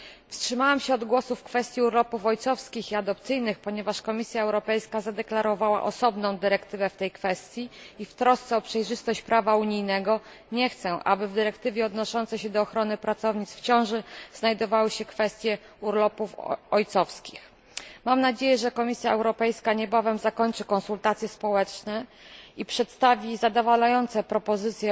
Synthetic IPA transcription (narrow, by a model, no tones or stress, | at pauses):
fstʂɘmawamɕɛɔd̪ɡwɔsufːkfɛst̪ʲjiuɾlɔpufɔjt̪sɔfskʲixiad̪ɔpt̪sɘjnɘxpɔɲɛvaʂkɔmʲisʲjaɛwɾɔpɛjskazad̪ɛklaɾɔvawa̰ʔɔsɔbnɔ̃w̃d̪ɘɾɛkt̪ɘvɛft̪ɛjkfɛst̪ʲjiift̪ɾɔst̪sɛɔpʂɛjʐɘst̪ɔɕt͡ɕpɾʔavauɲijnɛɡɔ | ɲɛxt̪sɛ̃ʔa̰bɘvd̪ɘɾɛkt̪ɘvʲjɛɔd̪nɔʂɔnt̪sɛɕɛd̪ɔːxɾɔnɘpɾat̪sɔvɲit̪sft͡ɕɔ̃w̃ʐɘz̥najd̪ɔvawɘɕɛkfɛst̪ʲjɛ | uɾlɔpufɔjt̪sɔfskʲix | mamnad͡ʑejɛʐɛkɔmʲisʲjaɛwɾɔpɛjskaɲɛbavɛmzakɔɲt͡ʂɘkɔnsult̪at̪sʲjɛspɔwɛt͡ʂnɛ | ipʂɛt̪st̪avʲizad̪ɔvalajɔnt̪sɛpɾɔpɔzɘt̪sʲjɛ